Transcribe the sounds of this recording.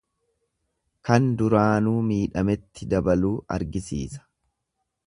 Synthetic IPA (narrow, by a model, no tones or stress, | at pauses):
kɐnd̪ʊɾaːnuːmiːᶑɐmɛt̪ːɪd̪ɐbɐluːʔɐ̰ɾɡɪsḭːsɐ̥